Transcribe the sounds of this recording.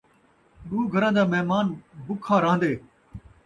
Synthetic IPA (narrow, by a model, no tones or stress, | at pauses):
ɗuːɡʱəɾãːd̪aːmɛːmaːnbʊkʰːaːɾãːnd̪eː